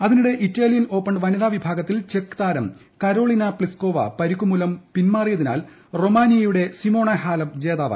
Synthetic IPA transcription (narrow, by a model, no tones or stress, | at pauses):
ɐðinuɽe̞ʔitːaːlijɐno̞ːpːɐɳɖʋɐniðaːʋibʱaːɡɐt̪ːilt͡ɕe̞kːt̪aːɾɐm | kɐɾo̞ːɭinɐpɭisko̞ːʋɐ̰pɐɾikːumulɐmpinmaːrijɐðina̰ːl | ro̞maːnijɐjuɽe̞simo̞ːɳɐhaːlɐmd͡ʑeːðaːʋa̰ː